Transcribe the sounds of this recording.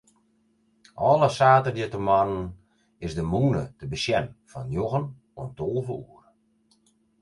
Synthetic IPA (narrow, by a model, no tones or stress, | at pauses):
ʔɔlˠəsaːtədjətəmanən | ɪsdəmuːnətəbəsjɛnfɔnjoɣən | ontolˠvəṵːər